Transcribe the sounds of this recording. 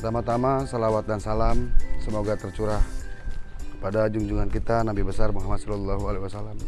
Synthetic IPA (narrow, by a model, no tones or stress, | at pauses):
t̪amat̪amasəlawat̪̚dansalamsəmoɡat̪ərt͡ʃuɾah | əpadad͡ʒuŋd͡ʒuŋankit̪anabibəsarmuɦamat̪sɔlɔlːaɦualeɦiwasalːam